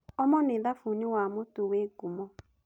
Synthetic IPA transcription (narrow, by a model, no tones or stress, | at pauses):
ɔmɔneðafuniwamotuweɡumɔ